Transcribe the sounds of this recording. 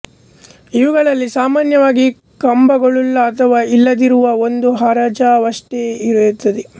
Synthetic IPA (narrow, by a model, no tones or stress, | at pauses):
iʋuɡɐɭɐlːisaːmaːnjɐʋaːɡi | kɐmbɐɡɐɭulːɐːt̪ʰɐʋaːilːɐd̪iɾuʋɐond̪uɦaːɾaːd͡ʒaːʋɐʂʈeiɾɐjut̪ːɐd̪e